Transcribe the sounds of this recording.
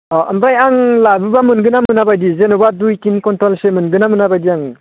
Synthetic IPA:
ɔə̰mɾajaŋlabɯbamɯnɡɯnamɯnabajdizenobadujtinkɔntɔlsemɯnɡɯnamɯnabajdiaŋ

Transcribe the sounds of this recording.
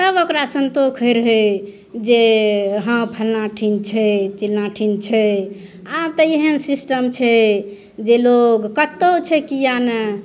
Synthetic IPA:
səbokɾasənt̪okʰəjɾəɦɛ | d͡ʒeɦə̃pʰəlnaʈʰint͡ʃʰɛt͡ʃilnaʈʰint͡ʃʰɛ | ab̚t̪əeɦənsisʈəmt͡ʃʰɛ | d͡ʒeloɡkət̪ːot͡ʃʰɛkijanə

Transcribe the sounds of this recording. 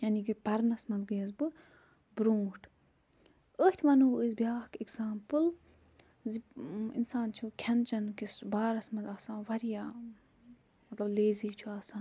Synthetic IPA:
jaːnikipɐɾnɐsmɐnzɡɨjɐzbɨ | bɾũːʈ | əːht̪ʰmɐnubəzbijaːhkiɡzaːmpɨl | ziḭnsaːnt͡ʃʰukʰɐnt͡ʃɐnkisbaːɾɐsmɐzaːsãːnʋɐɾijaː | mɐt̪lɐbleːziːt͡ʃʰuaːsaːn

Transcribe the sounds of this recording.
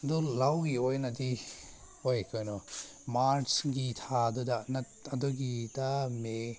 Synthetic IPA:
dɔlawɡiojnadi | ojkʰɔjnɔ | maɾsɡitʰadɔdana | adɔɡidame

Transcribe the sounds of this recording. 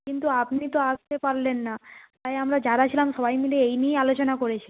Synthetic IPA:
kint̪uapnit̪oast̪epaɾlenːat̪ajamɾad͡ʑaɾat͡ɕʰilamʃɔbajmileejnijalot͡ɕonakoɾet͡ɕʰi̥

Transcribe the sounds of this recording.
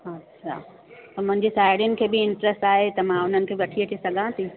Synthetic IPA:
ɐtːʃʰa̰ː | p̪ɐmʊ̃ɦɪ̃ɲd͡ʑesaːɪɽjʊnɪ̆kʰeːbɪɪ̃ɳʈɾəsʈaːɦet̪ɐmãʊn̤ənɪ̆kʰeːbɪʋɐʈʰiɐʈʰisɐɡʱãt̪ĩ

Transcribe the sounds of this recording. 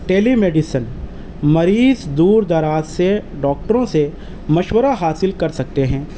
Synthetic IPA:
ʈeːlimeːɖɪsən | mɐɾiːzd̪uːɾd̪ɐɾaːzse | ɖɔːk̚ʈəɾõse | mɐʃwəɾaɦaːsɪlkɐɾsɐk̚t̪eɦɛ̃ː

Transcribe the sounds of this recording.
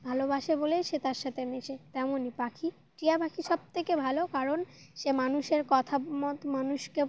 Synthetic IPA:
bʱalobaʃebolejʃet̪aɾʃat̪ʰemeʃet̪ɛmonipakʰi | ʈijabakʰiʃɔb̚t̪ʰekebʱalokaɾonʃemanuʃeɾkɔt̪ʰamɔt̪manuʃke

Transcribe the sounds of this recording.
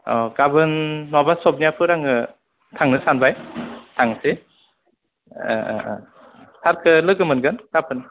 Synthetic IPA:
ɔɡabɯnːɔbasɔb̚nijapʰɯɾaŋɯ | tʰaŋnɯsanbajtʰaŋse | saɾkʰɯlɯɡɯmɯnɡɯnkapʰɯn

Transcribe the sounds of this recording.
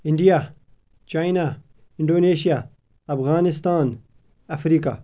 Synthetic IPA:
ɪ̃ɳɖija | t͡ʃaːina | ɪ̃ɳɖoːneːʃija | ɐfɣaːnɪst̪aːn | ɐfɾiːka̰

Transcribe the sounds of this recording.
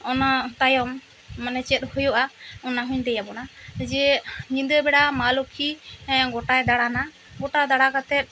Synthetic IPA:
ɔnat̪ajɔmː | anɛt͡ʃɛt̪̚hɔjɔʔaɔnaɦũɲd̪ɛjabɔnad͡ʒɛɲĩnd̪əbɛɽamalɔkʰiɡɔʈajd̪aɽana | ɡɔʈad̪aɽakat̪ɛt̪̚

